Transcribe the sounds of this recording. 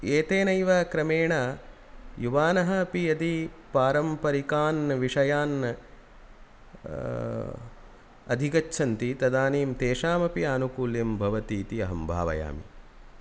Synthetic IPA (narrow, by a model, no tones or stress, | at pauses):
eːt̪eːnɐjʋɐkɾɐmeːɳɐ | juʋaːnɐɦɐɐpijɐt̪ipaːɾɐmpɐɾikaːnʋiʂɐjaːn | ɐ̰d̪ʱikɐt͡ʃːʃʰɐnt̪it̪ɐd̪aːniːmt̪eːʂaːmɐpiaːnukuːlimbʱɐʋɐt̪iːt̪iɐɦɐmbʱa̰ːʋɐ̰ja̰ːmḭ